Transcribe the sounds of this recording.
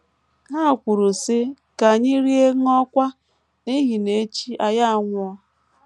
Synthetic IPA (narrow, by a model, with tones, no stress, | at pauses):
ɦa˦˨kʷʊ˨ɾʊ˨sɪ˦ | ka˨ɲɪ˦ɾi˦e˦ŋ˦ɔ˦kʷa˦ | ni˦ɣi˨ne˦t͡ʃi˦a˦ja˦a˨ŋʷʊ˦ɔ˦